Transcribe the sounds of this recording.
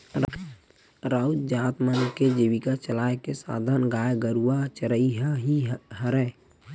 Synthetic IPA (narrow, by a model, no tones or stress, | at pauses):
ɾ | ɾaud͡ʒd͡ʒaːt̪mənked͡ʒiʋikat͡ʃəlaːekesa̰ːd̪ʱanɡaːjɡəɾuat͡ʃəɾəiɦiɦəɾɛː